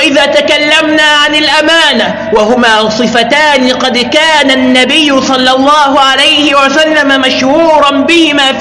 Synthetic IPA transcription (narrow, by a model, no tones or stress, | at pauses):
ʔɪðaːt̪akalːamnaːʕanɪlʔamaːna | wahʊmaːsˤɨfat̪aːnɪqɑd̪kaːnanːabɪjːʊsˤɑlːɑlˤːɑːhʊʕalajhɪwasalːamamaʃhuːɾˤɑnbɪhɪmaː